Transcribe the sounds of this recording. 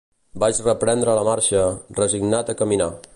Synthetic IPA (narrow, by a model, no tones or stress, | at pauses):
bat͡ʃrəpɾɛnd̪ɾələmaɾʃərəziɡnat̪əkəmina̰